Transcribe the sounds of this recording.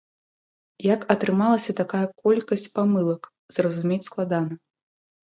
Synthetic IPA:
jakɐt̪ɾɨmalˠɐsʲɐt̪akajɐkɔlʲkɐsʲt͡sʲpamɨlˠɐk | z̥rɐzumʲet͡sʲsklˠad̪anɐ

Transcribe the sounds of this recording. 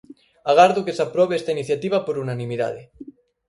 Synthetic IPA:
aɣ̞aɾðokesapɾoβeest̪ainiθjat̪iβapoɾunanĩmiða̰ðe

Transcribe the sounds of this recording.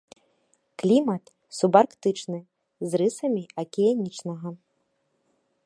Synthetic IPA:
klʲimɐt̪ | subarkt̪ɨt͡ʂnɨ | zrɨsɐmʲiɐkʲijanʲit͡ʂnɐɣɐ

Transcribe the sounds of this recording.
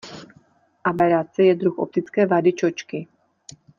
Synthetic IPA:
ʔabɛɾat͡sɛjɛd̪ɾuxo̰p̚t̪ɪt͡skɛːvadɪt͡ʃot͡ʃkɪ

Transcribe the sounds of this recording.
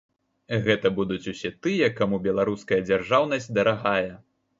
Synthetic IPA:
ɣɛt̪ɐbud̪ut͡sʲusʲɛt̪ɨjɐkamubʲɛlˠaɾuskɐjɐd͡zʲarʐawnɐsʲtʲd̪ɐɾaɣajɛ

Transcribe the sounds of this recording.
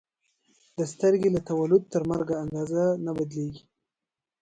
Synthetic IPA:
d̪əst̪əɾɡelat̪awalʊd̪̚t̪əɾmaɾɡaːnd̪ɑzanabad̪leɡi

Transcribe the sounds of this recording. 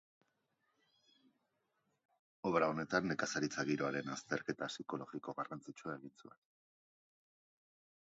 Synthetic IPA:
o̞βɾaone̞t̪anːe̞kasaɾit͡saɣiɾo̞aɾe̞nast̪e̞ɾke̞t̪asiko̞lo̞ɣiko̞ɣarant͡sit͡ʃuae̞ɣint͡sue̞n

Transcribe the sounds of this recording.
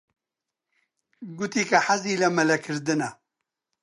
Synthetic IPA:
ɡut̪iːkɐħaziːlɐmɐlɐkʰɨɾd̪ɨnɐ

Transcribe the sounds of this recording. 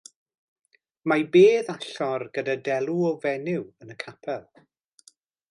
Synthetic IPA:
majbeːðaɬɔrɡədadɛlˠuɔvɛnɪwənəkʰapʰɛlˠ

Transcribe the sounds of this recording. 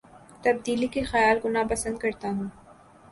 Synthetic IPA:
t̪ɐb̚d̪iːlikexɐjaːlɡʊnapɐsə̃nd̪̚kɐɾt̪aɦũː

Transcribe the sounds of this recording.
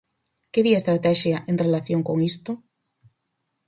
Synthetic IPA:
keβiaest̪ɾat̪ɛʃjɐʔeŋrelaθjoŋkoŋist̪ʊ

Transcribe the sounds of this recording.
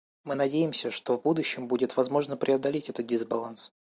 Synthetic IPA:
mɨnɐdʲejɪmsʲəʂt̪o̞vbud̪ʊɕːɪmbudʲɪt̪vɐzmo̞ʐnəpɾʲɪɐd̪ɐlʲetʲɛt̪ət̪̚dʲɪzbɐlˠans

